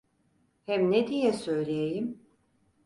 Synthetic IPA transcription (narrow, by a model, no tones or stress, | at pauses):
hɛmned̪ijɛsø̞jlʲejejim